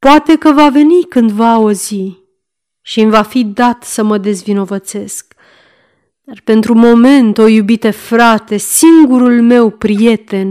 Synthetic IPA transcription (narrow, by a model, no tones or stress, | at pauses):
poat̪e̞kəvave̞nikɨnd̪vauzi | ʃimvafid̪at̪səməd̪e̞zvino̞vət̪se̞sk | d̪arpe̞nt̪ɾumo̞me̞nt̪o̞jubit̪əfɾat̪e̞siŋɡuɾulme̞wpɾije̞t̪e̞n